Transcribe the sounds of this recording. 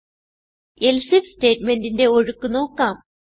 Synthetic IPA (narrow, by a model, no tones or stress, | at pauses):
elsifste̞ːtme̞ndinde̞oɻukːuno̞ːkːaːm